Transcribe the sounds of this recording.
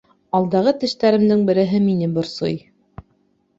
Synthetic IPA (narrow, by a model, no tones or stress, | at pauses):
ɑlˠd̪ɑʁɤt̪ɘ̆ʃt̪æɾɘ̆md̪ɘŋbɘ̆ɾɘ̆ɦɘminɘbŏɾso̰j